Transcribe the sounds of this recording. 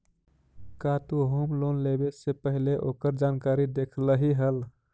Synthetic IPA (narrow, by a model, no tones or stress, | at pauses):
kat̪oɦomlonlebesepəɦileʔokəɾd͡ʒankaɾid̪ekʰləɦiɦəl